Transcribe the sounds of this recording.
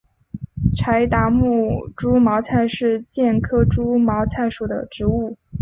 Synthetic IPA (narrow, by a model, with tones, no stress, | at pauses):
ʈ͡ʂʰa˧˥ɪt̪a˧˥mu˥˩ʈ͡ʂu˥mɑ˧˥ʊt͡sʰa˥˧ɪʂɻ̩˥˧t͡ɕjɛ˥˩nkʰɤ˥ʈ͡ʂu˥mɑ˧˥ʊt͡sʰa˥˩ɪʂu˨˩d̪ə̰˦ʈ͡ʂɻ̩˧˥u˥˩